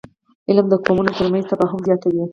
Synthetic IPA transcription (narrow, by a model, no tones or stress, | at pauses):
ɪlmd̪əkomunot̪əɾmẽnzt̪abaɦamzjɑt̪awi